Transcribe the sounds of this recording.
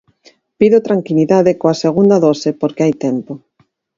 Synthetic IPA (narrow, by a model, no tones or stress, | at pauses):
piðot̪ɾaŋkiliðaðekoaseɣund̪aðosepoɾkeajt̪ɛmpo